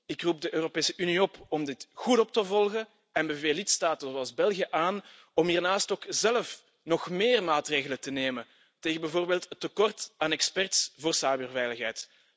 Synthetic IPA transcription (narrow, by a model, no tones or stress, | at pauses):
ɪkrub̚dəʔøːropeːsəʔyniɔpɔmdɪtɣutɔp̚təvɔlˠɣə | ɛnbɛveːlɪtstaːtəzoɑlˠzbɛlɣijəʔaːn | ɔmɦiːrnaːstoːkzɛləf | nɔxmeːrmaːtreːɣələtəneːmə | teːɣənbɛjvoːrbeːlˠtətːəkɔrtaːnɛkspɛrtsvoːrsaːbyːrvɛjləxɦɛjt